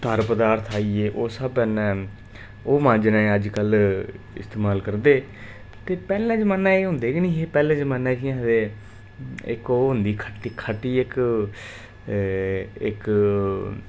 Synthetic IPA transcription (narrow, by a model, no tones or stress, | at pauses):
t̪əɾpəd̪aːɾt̪ʰaːiːeːʔoːsəbənɛ̃ː | oːmãːnd͡ʒnẽːəd͡ʒkəl | ɪ̰st̪eːmaːlkəɾd̪eː | t̪eːpɛːlɛ̃ːt͡ʃmənãːeːɦʊ̃ːnd̪eːɡinĩːɦeːpɛːlẽːt͡ʃmənɛ̃ːt͡ʃiãːɦd̪eː | ɪ̰koːɦʊnd̪iːkʰəʈːikʰəʈːiːɪk | ɪk